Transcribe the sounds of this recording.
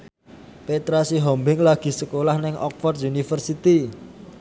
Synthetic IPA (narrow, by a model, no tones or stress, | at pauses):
pet̪ɾasiɦɔmbɪŋlaɡ̥i̤səkolahnɪŋʔɔ̰kfɔrd̪junifərsit̪i